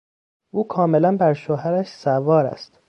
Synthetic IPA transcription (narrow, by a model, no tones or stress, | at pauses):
ʔuːkʰɒːme̞lænbæɾʃoɦæɾæʃsævɒːɾæ̰st̪